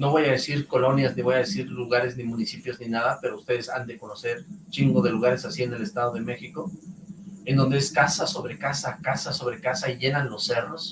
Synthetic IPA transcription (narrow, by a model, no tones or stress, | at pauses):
no̞βo̞jaðesiɾko̞lo̞njazniβo̞jaðesiɾluɣaɾe̞znimũnisipjo̞zninaðape̞ɾoust̪e̞ð̞e̞sand̪e̞ko̞no̞se̞ɾt͡ʃiŋɡoðe̞luɣ̞aɾe̞sasie̞ne̞lest̪að̞o̞ð̞eme̞xiko̞ | e̞nd̪o̞nd̪e̞eskasaso̞βɾe̞kasakasaso̞βɾe̞kasaiʝe̞nanlo̞sːe̞ro̞s